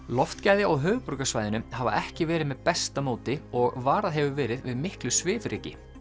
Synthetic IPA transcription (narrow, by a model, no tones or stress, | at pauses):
lɔft̪caːjðjaɔɣɦœːɣpʏɾkasvaːjðɪnʏmhava̰ʔɛhcɪvɛːɾɪðmɛðpɛst̪amoːwt̪ɪɔɣvaːɾaðɦɛvʏvɛːɾɪðvɪðmɪhklʏsvɪːvɾɪːcɪ